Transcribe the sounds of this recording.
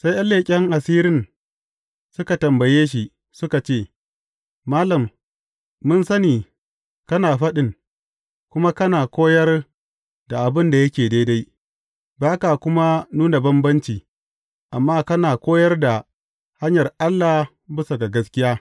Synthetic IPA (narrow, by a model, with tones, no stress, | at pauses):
sa˦jʔa˦lːeː˨kʲʼɛ˦ŋʔa˨siː˦ɾɪ˦n | sʊ˦ka˨tɐ˨mbɐ˨jeː˦ʃ̬i˨ | sʊ˦ka˨t͡ʃeː˦˨ | maː˦lɐ˨mː | ʊ˦nsɐ˦niː˨ | kɐ˦naː˨ɸɐ˦ɗɪ˦˨ŋ | kʷʊ˦ma˦kɐ˦naː˨kʷoː˦jɐ˦r | da˨ʔa˨bɪ˦nda˨jɐ˦kʲeː˨da˦da˦j | baː˦ka˨kʷʊ˦ma˦nuː˦na˨bɐ˦mbɐ˦nt͡ʃiː˨ | ʔa˨mːaː˦kɐ˦naː˨kʷoː˦jɐ˦rda˨ | ha˦ɲjɐ˨rʔa˦lːaː˨ | bɪ˦sa˨ɡa˨ɡɐ˦skʲɪ˦jaː˦